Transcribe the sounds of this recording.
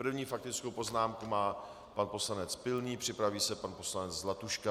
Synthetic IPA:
pr̩vɲiːfak̚t̪ɪt͡skowpo̞znaːmkumaː | panpo̞slanɛt͡spɪlniːpr̥ɪpɾaviːsɛpanpo̞slanɛt͡szlat̪uʃka

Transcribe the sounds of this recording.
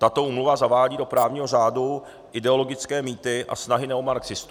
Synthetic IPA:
t̪at̪o̞uːmluvazavaːɟiːdo̞pɾaːvɲiːɦo̞raːdu | ʔɪdɛo̞lo̞ɡɪt͡skɛːmiːt̪ɪʔa̰snaɦɪnɛomalɛɡz̥ɪst̪u

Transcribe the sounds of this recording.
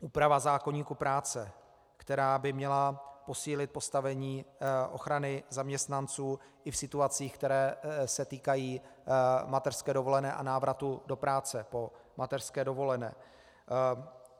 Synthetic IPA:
ʔuːpɾavazaːko̞ɲiːkupɾaːt͡sɛ | kt̪ɛɾaːbɪmɲɛlapo̞siːlɪt̪̚po̞st̪avɛɲiːʔo̞̰xɾanɪzamɲɛst̪nant͡suː | ʔɪfsɪt̪uat͡siːxkt̪ɛɾɛːsɛt̪iːkajiː | mat̪ɛɾr̥skɛːdo̞vo̞lɛnɛːʔa̰naːvɾat̪udo̞pɾaːt͡sɛpo̞mʔat̪ɛr̥skɛːdo̞vo̞lɛnɛ̰ː

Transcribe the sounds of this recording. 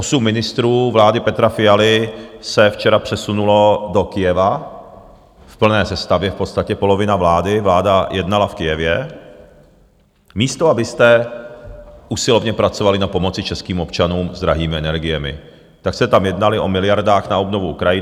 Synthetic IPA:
ʔosumːɪnɪst̪ɾuːvlaːdɪpɛt̪ɾafɪjalɪsɛft͡ʃɛɾapr̝̥ɛsunulo̞do̞kɪjɛva | fpl̩nɛːsɛst̪avjɛfpo̞t̪st̪acɛpo̞lo̞vɪnavlaːdɪvlaːdajʔɛdnalafkɪjɛvjɛ | miːst̪o̞abɪst̪ɛ | ʔusɪlo̞vɲɛpɾat͡so̞valɪnapo̞mo̞t͡sɪt͡ʃɛskiːmo̞pt͡ʃanuːmzd̪ɾaɦiːmɪɛnɛɾɡɪjɛmɪ̰ | t̪aksɛt̪amjɛdnalɪʔo̞mɪlɪjaɾdaːxnaobno̞vuukɾajɪ

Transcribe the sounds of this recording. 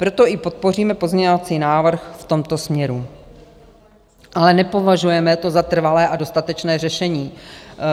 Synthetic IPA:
pɾo̞t̪o̞ʔɪpo̞t̪̚po̞riːmɛpo̞zmɲɛɲovat͡siːnaːvr̩xft̪o̞mt̪o̞smɲɛɾu | ʔalɛnɛpo̞vaʒujɛmɛt̪o̞zat̪r̩valɛːʔado̞st̪at̪ɛt͡ʃnɛːrɛʃɛɲiː

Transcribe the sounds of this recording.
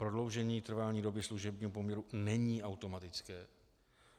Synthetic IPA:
pɾo̞dlo̞wʒɛɲiːt̪r̩valɲiːdo̞bɪsluʒɛbɲiːɦopo̞mɲɛɾunɛɲiːawt̪o̞mat̪ɪt͡skɛː

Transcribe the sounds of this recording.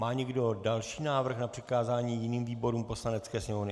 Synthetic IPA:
maːɲɛɡdo̞dalʃiːnaːvr̩xnapr̥ɪkaːzaːɲiːjɪniːmviːbo̞ɾuːmpo̞slanɛt͡skɛːsɲɛmovnɪ

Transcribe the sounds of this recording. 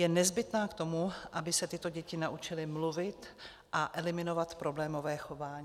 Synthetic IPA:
jɛnɛzbɪt̪naːkt̪o̞muʔabɪsɛt̪ɪt̪o̞ɟɛcɪnaʔut͡ʃɪlɪmluvɪt̪ | ʔaʔɛlɪmɪno̞vat̪pɾo̞blɛːmo̞vɛːxo̞vaːɲː

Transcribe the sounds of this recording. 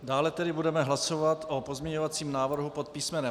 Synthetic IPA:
daːlɛt̪ɛdɪbudɛmɛɦlaso̞vat̪ʔopozmɲɛɲo̞vat͡siːmnaːvr̩ɦupot̪̚piːsmɛnɛ

